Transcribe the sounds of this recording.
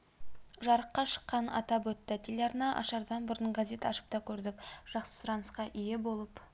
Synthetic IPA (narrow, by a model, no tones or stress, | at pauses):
ʒɑɾəqːɑʃə̥qːɑnɑ̰t̪ɑp̬wɵt̪ːɪt̪ʲʰelʲɑɾnɑʔɑ̰ʃɑɾd̪ɑnbʊɾənɡaze̞t̪ɑʃə̥p̚t̪ɑkʲʰɵɾd̪ɪkʒ̥ɑqsə̥sʊɾɑnəsqɑʔije̞bo̞lˠəp